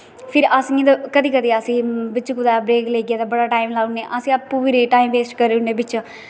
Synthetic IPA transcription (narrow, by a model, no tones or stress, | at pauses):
pʰɪɾəsĩd̪əkəd̪iːkəd̪iəsĩːbɪt͡ʃkʊd̪aːbɾeːkleːkijad̪abəɽaːʈaːimlaːuneːʔəsĩːapːuʋiɾiʈaːimʋeːsʈkəɾeuneːbɪt͡ʃː